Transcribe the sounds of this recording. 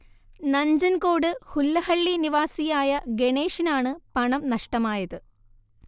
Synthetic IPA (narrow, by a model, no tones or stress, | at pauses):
nɐɲd͡ʑɐnko̞ːɽɨhulːɐhɐɭːiniʋaːsijaːjɐɡe̞ɳe̞ːʂinaːɳɨpɐɳɐmnɐʂʈɐmaːjɐðɨ